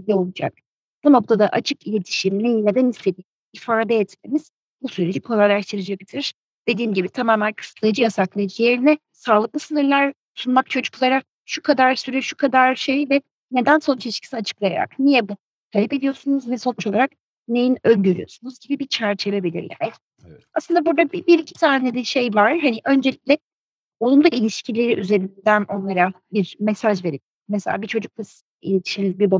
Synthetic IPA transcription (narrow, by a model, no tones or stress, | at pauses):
ilʲio̞lˠud͡ʒa̰k | b̥uno̞k̚t̪ʰad̪aʔat͡ʃʰɯkilʲe̞t̪ʰi̥ʃimnʲijilʲed̪ɛnist̪ʰed̪ʲi | ifaɾad̪ajɛt̪me̞miz̥ | busyɾed͡ʒipʰolˠalʲaʃt̪ʰɯɾɯd͡ʒakt̪ʰiɾ̥ | d̪̥e̞d̪iːmɟibit̪ʰamaːmænkʰɯ̥st̪lˠɯjd͡ʒɯjasaklˠɯd͡ʒijeɾinɛ | salˠɯk̚lˠɯsɯnɯɾlʲˠaɾ | sunmak̚t͡ʃʰød͡ʒy̥kʰlˠaɾak̚ | ʃukʰad̪aɾsyɾyʃukʰad̪aɾʃejvɛ | ne̞d̪ænso̞nt͡ʃʰɛʃcʰi̥siat͡ʃʰɯ̥klˠaja̰ɾa̰knijɛbu | t̪ʰalʲɛpe̞d̪ijo̞sunuzvɛso̞nt͡ʃʰolˠaɾak̚ | nejinølʲɟyɾyjo̞̰sunuzɟibibit͡ʃʰæɾt͡ʃʰevebilʲḭɾjʲa̰ːni̥ | aslˠɯnd̪abuɾd̪abibiɾicʰi̥t̪ʰaːned̪ɛʃe̞jvaɾ̥ɦaniʔø̞nd͡ʒe̞lʲic̚lʲɛ | o̞lˠund̪ailʲiʃcʰilʲe̞ɾiʔyze̞ɾind̪æno̞nlˠaɾa | biɾmesaʒve̞ɾip̚ | meselʲa̰ːbit͡ʃʰo̞d͡ʒuk̚las | ḭlʲet̪ʰi̥ʃinilʲbiba